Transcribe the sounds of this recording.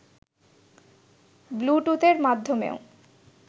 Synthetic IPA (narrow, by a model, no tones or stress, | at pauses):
bluʈut̪eɾmad̪ʱːomḛo